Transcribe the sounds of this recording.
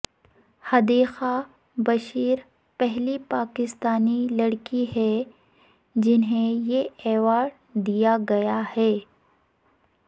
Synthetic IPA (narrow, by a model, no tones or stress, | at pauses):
hɐd̪eːxa | bɐʃiːɾ | pɛɦlipaːkɪst̪aːnilɐɽkiɦɛː | d͡ʒɪnɦẽjeɛːʋaːɽ | d̪ijaɡɐjahɛː